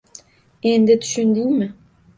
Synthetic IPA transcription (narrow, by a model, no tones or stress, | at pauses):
end̪ɪt̪ʰy̥ʃynd̪iŋmɪ